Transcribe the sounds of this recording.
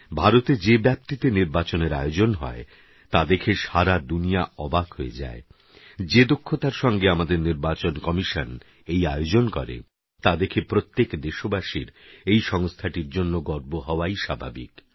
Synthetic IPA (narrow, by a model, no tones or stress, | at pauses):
bʱaɾot̪ed͡ʑebɛp̚t̪it̪eniɾbat͡ɕoneɾa̰jod͡ʑonɦɔ̰e | t̪ad̪ekʰeʃaɾad̪unijaɔbakɦoed͡ʑa̰e | d͡ʑed̪okʰːot̪aɾʃɔŋɡeamad̪eɾniɾbat͡ɕonkɔmiʃan | ejajod͡ʑonkɔɾḛ | t̪ad̪ekʰepɾot̪ːekd̪eʃobaʃiɾejʃɔŋst̪ʰaʈiɾd͡ʑonːoɡɔɾboɦɔoajʃabʱa̰bḭk